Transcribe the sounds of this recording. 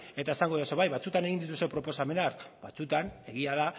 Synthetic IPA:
e̞t̪ae̞saŋɡoioso̞βajβat͡sut̪ane̞ɣind̪it̪ust̪epɾo̞po̞same̞naɾkba̰t͡sut̪ane̞ɣiaða

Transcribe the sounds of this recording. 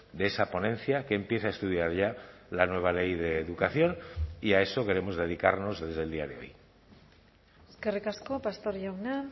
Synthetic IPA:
d̪eesapo̞nẽ̞nθjakeːmpje̞θeae̞st̪uðjaɾʝa | lanwe̞β̞ale̞jðe̞ːðukaθjo̞niae̞so̞ke̞ɾe̞mo̞zðe̞ðika̰ɾno̞zðe̞zðe̞ld̪iaðe̞o̞̰j | eskerikaskopast̪oɾʝawna

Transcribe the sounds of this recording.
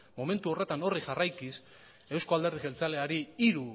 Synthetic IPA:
mo̞me̞nt̪uo̞re̞t̪ano̞riʝarajkis | e̞wsko̞ald̪e̞ɾðiɣe̞lt͡sale̞aɾiiɾu

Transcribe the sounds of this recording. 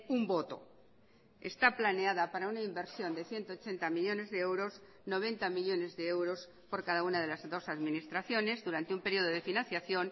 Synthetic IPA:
umbo̞t̪o̞̰ | e̞̰st̪aplane̞aðapaɾaunaimbe̞ɾsjo̞nd̪e̞θje̞nt̪oːt͡ʃe̞nt̪amiʎo̞ne̞zðeewɾo̞s | no̞β̞e̞nt̪amiʎo̞ne̞zðeewɾo̞s | po̞ɾkaðaunað̞e̞lazðo̞saðmĩnist̪ɾaθjo̞ne̞zðuɾant̪eumpe̞ɾio̞ð̞oðe̞finãnθjaθjo̞n

